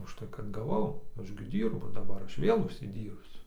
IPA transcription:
ʊʃˈtɐɪ kɐt ɡɐˈʋɐʊ ˈɐʃ ɡʲɪ ˈdʲiːrbʊ dɐˈbɐr ˈɐʃ ˈʋʲeːlˠ ʊʃʲsʲɪˈdʲiːrʲpʲsʲʊ

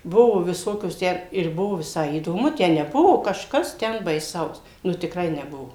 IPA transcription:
ˈbʊʋoː ʋʲɪˈsoːkʲoːs ˈtʲæː ɪr ˈbʊʋoː ʋʲɪˈsɐɪ iːdoːˈmʊ ˈtʲæː nʲɛˈbʊʋoː kɐʃˈkɐs ˈtʲɛn bɐɪˈsɐʊs nʊ tʲɪkˈrɐɪ nʲɛˈbʊʋoː

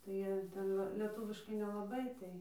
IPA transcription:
tɐɪ ˈjiɛ ˈtʲɛn ˈʋɐ lʲɛˈtuːʋʲɪʃkɐɪ nʲɛlˠɐˈbɐɪ ˈtɐɪ

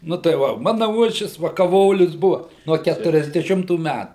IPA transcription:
nʊ tɐɪ ˈʋɐ ˈmɑːnɐ ˈuɔʃʲʋʲɪs ʋɐ kɐˈʋoːlʲʊs ˈbʊʋɐ ˈnuɔ ˌkʲætʊrʲɛzʲdʲɛˈʃʲɪmtuː ˈmʲætuː

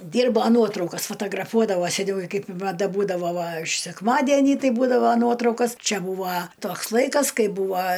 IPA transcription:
ˈdʲiːrboː ˈnuɔtrɐʊkɐs fɐtɐɡrɐˈfuɔdɐʋoː sʲɛˈnʲɛʊ ɪ kɐɪp mɐˈdɐ ˈbuːdɐʋoː ʋɐ ʃ sʲɛkˈmɑːdʲɛnʲiː ˈtɐɪ ˈbuːdɐʋoː ˈnuɔtrɐʊkoːs ˈt͡ʃʲɛ ˈbuːʋɐ ˈtoːks ˈlˠɐɪkɐs ˈkɐɪ ˈbuːʋɐ

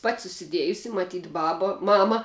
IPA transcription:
pɐtʲ sʊsʲɪˈdʲeːjʊsʲɪ mɐˈtʲiːtʲ ˈbɑːbɐ ˈmɑːmɐ

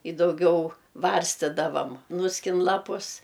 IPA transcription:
ɪ dɐʊˈɡʲɛʊ ˈʋɐrʲsʲtʲɪdɐʋɐm ˈnʊsʲkʲɪn ˈlˠɑːpʊs

